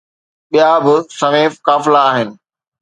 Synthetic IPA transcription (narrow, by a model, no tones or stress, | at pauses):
ɓijabɪsɐmeːfkaːfɪlaːɦɪnɪ̆